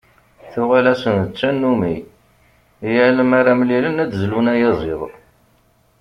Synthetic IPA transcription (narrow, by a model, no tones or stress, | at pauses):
θʊʁælæsənət͡sːænːumi | jæʕləmaɾamlilənæd̪zlunæjɑzˤeðˤ